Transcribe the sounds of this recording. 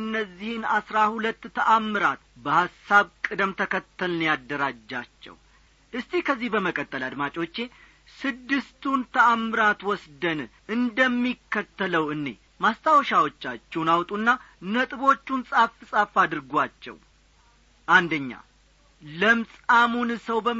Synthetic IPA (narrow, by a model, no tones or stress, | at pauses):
ɨnːəzːihɪnasɾahulət̪ːt̪ʰəʔamːɨɾat̪̚bəhasːaβkʼɨd̪əmt̪ʰəkʰət̪ʰːəlɨnjad̪ːəɾad͡ʒːat͡ʃːɛ̰w | ʔɨst̪ʰihkʰəzːihbəməkʼət̪ʼːəlad̪mat͡ʃʼo̞t͡ʃːe̞ | sɨd̪ːɨst̪unt̪ʰəʔamːɨɾat̪wɔsd̪ən | ʔɨnd̪əmːikːət̪ːələwɨnːe̞̰ | mast̪ʰawʃawot͡ʃːat͡ʃːɛwnawt̪ʼunːa | nət̪ʼɨbo̞t͡ʃːunsʼafɨsʼafad̪ɨɾɡʷat͡ʃːɛ̰w | ʔand̪əɲːa̰ | ləmsʼamunsəwbə